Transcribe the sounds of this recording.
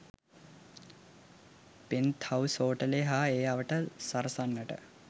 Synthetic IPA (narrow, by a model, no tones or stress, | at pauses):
pint̪ʰhɐwsoːʈəleɦaeːaʋəʈəsɐɾəsanːəʈə̰